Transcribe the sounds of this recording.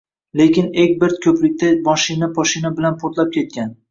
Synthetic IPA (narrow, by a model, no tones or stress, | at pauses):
lekʲɪnek̚ʲbeɾt̪kʲʰɵplɪk̚ʲt̪ʰamɒʃɪnapʰɒʃɪnabɪlanpʰot̪lap̚kʲe̞t̪̚kʲan